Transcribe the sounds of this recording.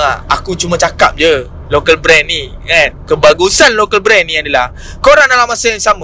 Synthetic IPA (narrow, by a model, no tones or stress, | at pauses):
aa̰kut͡ʃumãt͡ʃakap̚d͡ʒə | lokəlbɾɛnːiɛnkəbaɡusanlokəlbɾɛnːĩadalah | koɾaŋnalamasajaŋsama